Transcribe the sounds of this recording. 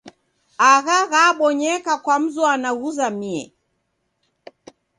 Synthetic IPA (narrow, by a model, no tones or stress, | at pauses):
aɣaɣaɓɔɲɛkakwam̩zɔanaɣuzamiɛ̰